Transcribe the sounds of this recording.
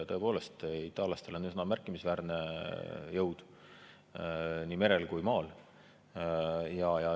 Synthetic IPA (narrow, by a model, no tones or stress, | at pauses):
t̪ɤe̞po̞ːle̞st̪it̪ːˑɑːljɑst̪e̞lo̞nysnɑmærkːˑimisvæːɾne̞jɤwd̪̥ | nʲiːme̞ɾe̞lkujmɑːl | jɑjɑ